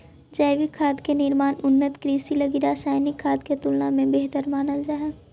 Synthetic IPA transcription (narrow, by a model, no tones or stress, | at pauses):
d͡ʒəɪʋɪkʰaːd̪kenɪɾmaːnʊnːət̪kɾiːsiləɡiɾaːsaːjnɪkʰːaːd̪ket̪ʊlnamẽbeːɦt̪əɾmaːnəld͡ʒaːɦɛː